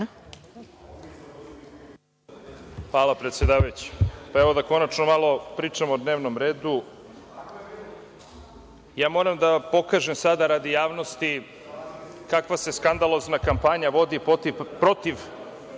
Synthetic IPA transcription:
xʋaːlapɾet̪sjed̪aːʋajut͡ɕi̥paeʋo̞d̪ako̞nat͡ʃnomalo̞pɾiːt͡ʂamood̪ne̞ːʋno̞mɾe̞ːd̪u | jaːmo̞ɾamd̪apo̞kaːʒemsad̪aɾad̪ijaːʋno̞st̪i | kakʋase̞skand̪alˠo̞znakampaɲaʋo̞d̪ipt̪pɾo̞t̪iʋ

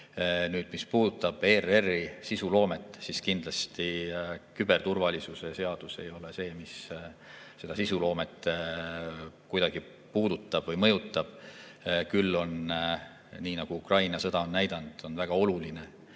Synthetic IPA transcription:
nyːd̪̥mispuːd̪ut̪ːˑɑb̥e̞ːrerːisisulo̞ːme̞t̪ˑːsiskind̪̥lɑst̪ikybe̞rt̪urvɑlʲisuse̞se̞ɑd̪̥use̞jo̞le̞se̞ːmis | se̞d̪ɑsisulo̞ːme̞t̪ˑː | kujd̪ɑɡ̥i | puːd̪ut̪ːˑɑb̥vɤjmɤ̞jut̪ˑːɑb̥ | kylːo̞n | niːnɑɡ̥uukrɑjnɑsɤ̞d̪̥ɑonːæjd̪̥ɑnd̪̥o̞nvæɡ̥ɑo̞luline̞

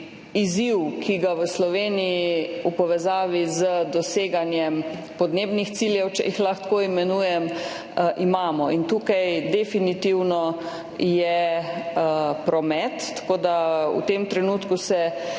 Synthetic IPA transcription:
iziwkʰiɡaʋəslɔʋeːnijiiupɔʋɛzaːʋizəd̪ɔseːɡanjɛm | pɔd̪neːbnixt̪siljɛwt͡ʃɛ̰jixlaxt̪koimɛnuːjɛm | ʔimaːmɔint̪uːkajd̪ɛfinit̪iwnɔ | jɛ | pɾɔmɛt̪ːḁkoːd̪aṵt̪emt̪ɾɛnuːt̪kusɛ

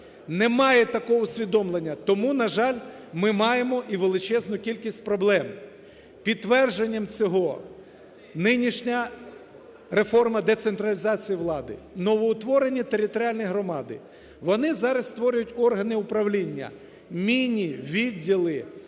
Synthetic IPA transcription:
nemɑjɛt̪ɐkɔɔʊsʲʋʲid̪ɔmlˠe̞nʲːɐt̪ɔmunɐʒɑlʲ | mɪmɑjemɔʔiʋelˠɪt͡ʃɛznʊkʲilʲkʲisʲtʲpɾɔblˠɛm | pʲid̪̚ːʋɛrd͡ʒenʲːɐmt͡sʲɔɦɔ | nɪnʲiʃnʲɐ | ɾe̞fɔrmɐd̪e̞t̪sent̪ɾɐlʲizɑt͡sʲijiʋlˠɑd̪ɪ̰nɔʋɔːt̪ʋɔɾenʲit̪eɾʲɪt̪ɔɾʲiɑlʲnijɦɾɔmɑd̪ɪ̰ | ʋɔnɪzɑɾɐst̪ʋɔɾʲʊjʊtʲɔrɦɐnɪʊpɾɐʋlʲinʲːɐ̰ | mʲinʲiʋʲidʲːilˠɪ

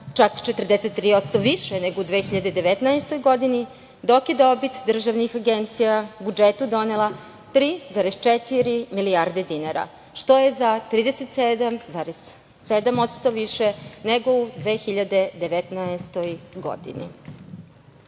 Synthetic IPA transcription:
t͡ʃakt͡ʃet̪rd̪eset̪ːɾiːot̪st̪o̞ʋiʃeneɡoud̪ʋexiʎad̪ed̪e̞ʋet̪naest̪o̞jɡo̞d̪ini | d̪o̞kjed̪o̞bit̪d̪r̩ʒaʋnixaɡent̪sijabud͡ʒet̪ud̪o̞nelˠa | t̪ɾiːzaɾezt͡ʃet̪iɾimiliaɾd̪e̞d̪inaɾa̰ | ʃt̪o̞je̞zat̪ɾiːd̪eset̪sed̪amzaɾez̥ | sed̪amo̞t̪st̪oʋiʃeneɡo̞ud̪ʋeːxiʎad̪e̞d̪eʋet̪naest̪o̞jɡo̞̰d̪ḭnḭ

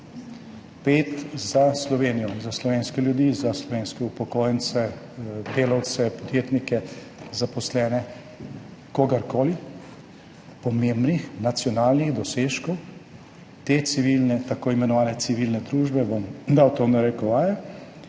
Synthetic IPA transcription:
peːt̪zaslɔʋeːnijɔzaslɔʋeːnskɛljud̪izaslɔʋeːnskɛupɔkoːjnt̪sɛ | d̪eːlawt̪sɛpɔd̪jeːt̪nikɛ | zapɔslɛːnɛ | koɡaɾkoːli | pɔmembnixnat̪sjɔnaːlniɣd̪ɔseːʃkɔw | t̪et̪siʋilnɛt̪akoːimɛnɔʋaːnɛt̪siʋilnɛd̪ɾuːʒbɛbɔmd̪awt̪oːnaɾɛkɔʋaːjɛ

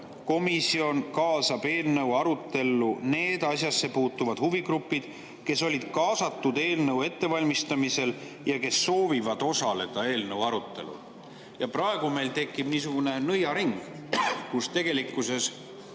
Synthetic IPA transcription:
ko̞misio̞nkɑːsɑb̥e̞ːlnɤwɑɾut̪ːe̞lːune̞ːd̪̥ɑsjɑsːe̞puːt̪ːuvɑd̪̥huviɡɾupːˑid̪̥ | ke̞so̞lʲid̪̥kɑːsɑt̪ːud̪e̞ːlnəwe̞t̪ːe̞vɑlʲmist̪ɑmise̞l | jɑke̞sːo̞ːvivɑd̪̥o̞sɑle̞d̪̥ɑe̞ːlnəwɑɾut̪ːˑe̞̰lṵ | jɑpɾɑe̞ɡ̥ume̞jlt̪e̞kˑːib̥niːs̬uɡ̥une̞nɤjɑɾiŋɡ̥ | kust̪e̞ɡ̥e̞likːˑuse̞s

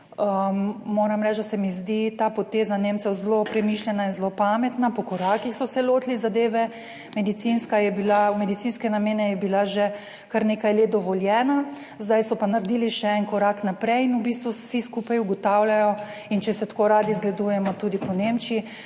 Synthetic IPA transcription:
əmoːɾamɾɛt͡ʃd̪asɛmizd̪it̪aːpɔt̪eːzaneːmt̪sɛwzlopɾɛmiːʃlʲjɛnainzlopamɛt̪napɔkɔɾaːkixsɔsɛloːt̪lizad̪eːʋɛ | mɛd̪it̪sinskajɛbilamɛd̪it̪sinskɛnameːnɛjɛbilaʒɛ | kaɾneːkajled̪ɔʋɔljɛːna | zd̪ajsɔpanaɾd̪iːliʃɛɛnkɔɾaknapɾɛjinubist̪ʋusiskupajuɡɔt̪awlʲajɔ | int͡ʃɛsɛt̪koːɾaːd̪izɡlɛd̪uːjɛmɔt̪uːd̪ipɔnemt͡ʃii

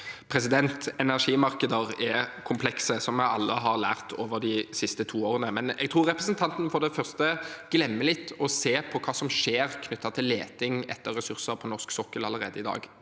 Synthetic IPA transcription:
pʰɾɛsɪd̪ɛnt̪ɛnæʁʂiːmɑɾkəd̪əɾɛkʰʊmpʰlɛksəsɔmjæɪɑ̰lːəɦɑʁlæ̰ːʁt̪ʰoːʋəd̪ɪsɪst̪ət̪ʰuːoːɾənəmɛnɛɡ̚t̪ʰɾuːɾːɛpɾəsnt̪ʰɑnt̪nfɔd̪ɛfœʁst̪əɡ̥lɛmːəlɪt̪ʰːɔseːpʰɔkʰɑːsɔmʂeːʁkʰnʏt̪ːɑt̪ʰɪlːeːt̪ɪŋɛ̰t̪ːəɾːɛsʉʁsəɾpʰɔnɔʁsksɔkːəlɑləɾeːd̪əɪd̪ɑ̰ːɡ

